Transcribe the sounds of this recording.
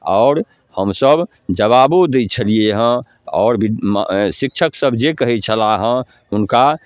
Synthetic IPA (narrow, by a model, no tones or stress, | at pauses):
ɔːɾ | həmsəb | d͡ʒəβabod̪et͡ʃʰəlieɦə̃ | ɔ̰ːɾbiʃik̚t͡ʃʰəksəbd͡ʒekəɦɛt͡ʃʰəlaɦə̃ | ʊnka